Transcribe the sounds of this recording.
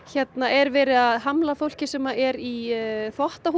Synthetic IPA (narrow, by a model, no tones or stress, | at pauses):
çɛt̪naʔɛɾvɛːɾɪaðɦamlafowl̥cɪsɛmːaɛɾiθɔht̪aɦu